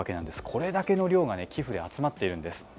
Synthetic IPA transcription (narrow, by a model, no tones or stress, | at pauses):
ake̞nãnd̪e̞sɨ̥kʰo̞ɾe̞d̪ake̞no̞ɾʲo̞ːɡane̞kʲʰiɸɯ̟d̪e̞at͡sɨmat̪ːe̞iɾɯ̟̃nd̪e̞sɨ̥